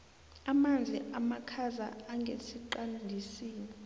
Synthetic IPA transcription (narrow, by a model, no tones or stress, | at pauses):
amand͡zʱiʔamakʰaza̰aŋɡʱesiǃandʱisiːni